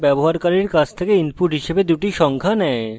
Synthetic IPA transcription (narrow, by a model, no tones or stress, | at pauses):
bɛboɦaɾkaɾiɾkad͡ʑʰt̪ʰekeinpuʈɦiʃebed̪uʈiʃɔŋkʰanɛe